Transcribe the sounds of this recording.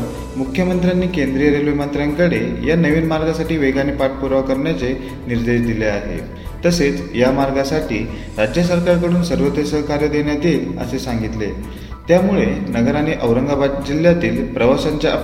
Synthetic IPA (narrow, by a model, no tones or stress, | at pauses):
mukʰjəmənt̪ɾjanːiːkend̪ɾijəɾelujmənt̪ɾjaŋkəɽejanəʋiːnmaɾɡasaʈiːʋeɡaniːpaʈ̚puɾaʋkəɾɳjat͡se | niɾd̪eɕd̪ileaɦḛ | t̪əset͡sjamaɾɡasaʈʰḭː | ɾad͡ʑjəs̬əɾkaɾkəɽuːnsəɾʋət̪esəkaɾjəd̪eɳjat̪iːlə̰sesaŋɡit̪le | t̪jamuɭenəɡəɾaniʔəʋɾəŋɡabad̪̚d͡ʑil̤ːjat̪iːlpɾəʋasaɲt͡ɕjaʔ